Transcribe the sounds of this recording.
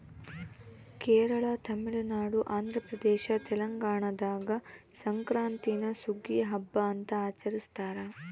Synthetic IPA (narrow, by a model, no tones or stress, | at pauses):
keːɾɐɭɐt̪ɐmiɭɐnaːɽuʔaːnd̪ʱɾɐpɾɐd̪ɛːʃɐt̪ɛlɐŋɡaːɳɐd̪aːɡɐ | sɐŋkɾaːnt̪inɐsuɡiɐɦɐbːɐːnt̪ɐaːt͡ʃɐɾist̪aːɾɐ